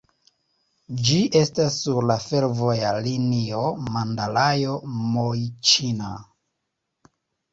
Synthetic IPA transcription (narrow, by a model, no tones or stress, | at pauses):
d͡ʒiʔe̞stasːuɾlafe̞ɾvo̞jalinio̞mandalajo̞mojt͡ʃina